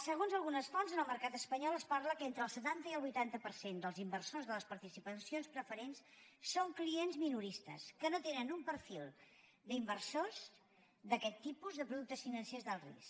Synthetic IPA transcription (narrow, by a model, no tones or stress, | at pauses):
səɣ̞onzəlˠɣunəsfɔnzənəlˠməɾkat̪əspəɲɔlˠəspaɾləkent̪ɾəːlˠsət̪ant̪əiəlˠβujt̪ant̪əpəɾsend̪əlˠzimbərsozðələspəɾt̪isipəsionspɾəfəɾensːoŋklienzminuɾist̪ə̰skənot̪enənumpəɾfilˠ | d̪imbərsoz | d̪əkɛt̪ːipuzðəpɾuðuk̚t̪əsfinənsezðəlˠrḭs